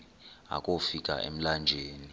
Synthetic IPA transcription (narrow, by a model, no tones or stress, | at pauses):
a̰kʼofik̬ʼa̰ʔḛm̩land͡ʒʱeːni